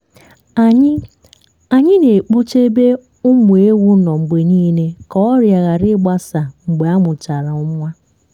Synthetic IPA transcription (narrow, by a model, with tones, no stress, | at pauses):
a˨ɲ˦ | a˨ɲɪ˦ne˨k͡pu˦t͡ʃe˦be˦ | ʊ˦mʊ˨e˦wu˦nɔ˨ŋ͡m̩˨ɡ͡be˨niː˦ne˦kɔ˦ɔ˦ɾja˨ɣa˨ɾɪ˦ɡ͡ba˦sa˨ŋ͡m̩˨ɡ͡be˨a˦mʊ˨t͡ʃa˨ɾa˨ʊ˦mʷ˦a˦